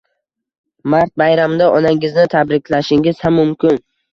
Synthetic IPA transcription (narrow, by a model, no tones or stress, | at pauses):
maɾt̪̚bajɾamd̪aʔɒnaŋɪznɪt̪ʰabɾɪkʲlaʃɪŋɪzhamːʊmkʲʰɪn